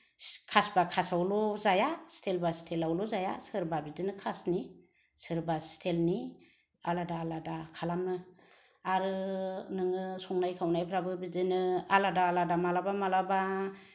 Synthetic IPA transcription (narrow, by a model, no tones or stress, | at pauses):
kʰasbakʰasawlɔzajastʰelbastʰelawlɔzaja̰sɯɾbabidɯnɯkʰasni | sɯɾbastʰelni | aladaːladakʰalamnɯ | aɾɯnɯŋɯsɔŋnajkʰawnajpʰɾabɯbidɯnɯaladaːladamalabamalaba